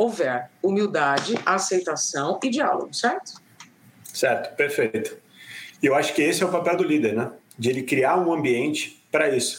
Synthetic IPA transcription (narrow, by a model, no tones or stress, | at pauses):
owvɛɾumiwd̪ad͡ʒɪasejt̪asɐ̃w̃ɪd͡ʒia̰lo̰ɡʊsɛɾt̪ʊ̥ | sɛɾt̪ʊ̥peɾfejt̪ʊ̥ | ewaʃʊ̥kɪesɪɛʊpapɛwd̪ʊlid̪eɾnɛ | d͡ʒɪelɪkɾiaɾũɐ̃mbiẽnt͡ʃɪ̥pɾɐisʊ̥